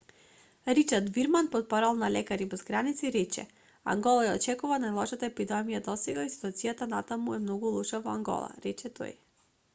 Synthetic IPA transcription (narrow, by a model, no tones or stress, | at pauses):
ɾit͡ʃaɾd̪viɾmanpɔt̪̚pɔɾalˠnalɛkaɾibɛzɡɾanit̪siɾɛt͡ʃɛ̰ | a̰ŋɡɔlˠajaɔt͡ʃɛkuvanajlˠɔʃat̪aɛpid̪ɛmijad̪ɔsɛɡaisi̥t̪uat̪sijat̪anat̪amuɛmnɔɡulˠuʃavɔaŋɡɔ̰lˠa̰ɾɛt͡ʃɛt̪ʰɔ̰j